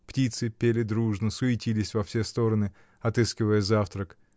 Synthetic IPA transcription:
ptʲit̪sɨpʲelʲɪd̪ɾuʐnəsʊɪtʲilʲɪsʲvɐfsʲest̪o̞ɾənɨ | ɐt̪ɨskʲɪvəjəzaft̪ɾək

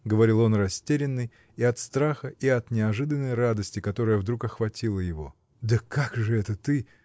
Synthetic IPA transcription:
ɡəvɐɾʲilˠo̞nrɐsʲtʲeɾʲɪnːɨj | iɐt̪st̪ɾaxəʔiɐt̪nʲɪɐʐɨd̪ənːəjrad̪əsʲtʲɪkɐt̪o̞ɾəjəvd̪ɾukɐxvɐtʲilˠəjɪvo̞̰ | d̪əkakʐɨɛt̪ət̪ɨ

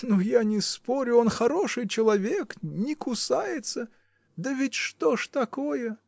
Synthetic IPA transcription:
nujanʲɪspoɾʲʊonxɐɾoʂɨjt͡ɕɪlˠɐvʲeknʲɪkʊsajɪt̪sə | d̪əvʲɪtʲʂt̪oʂt̪ɐkojə

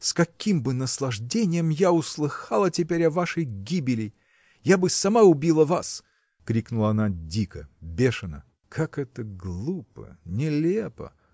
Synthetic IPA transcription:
skɐkʲimbɨnəslˠɐʐdʲenʲɪjəmjaʊslˠɨxalˠətʲɪpʲeɾʲɐvaʂəjɡʲibʲɪlʲɪ | jabɨsɐmaʊbʲilˠəvas | kɾʲiknʊlˠɐɐnadʲikəbʲeʂɨnə̰ | kʰakɛt̪əɡlˠupə̰nʲɪlʲepə̰

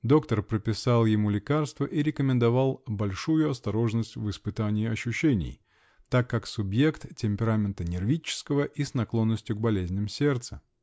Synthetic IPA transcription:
d̪o̞kt̪ərpɾəpʲɪsalˠjɪmulʲɪkarst̪vəʔiɾʲɪkəmʲɪ̃nd̪ɐvalˠbɐlʲʂujʊɐst̪ɐɾo̞ʐnəsʲtʲvɨspɨt̪anʲɪːɐɕːʊɕːenʲɪ̰j | t̪akːaksʊbje̞kt̪tʲɪmʲpʲɪɾamʲɪnt̪ənʲɪrvʲit͡ɕːɪ̥skəvəʔisnɐklˠo̞nːəsʲtʲjʊɡ̚bɐlʲezʲnʲɪmsʲe̞rt̪sə̥

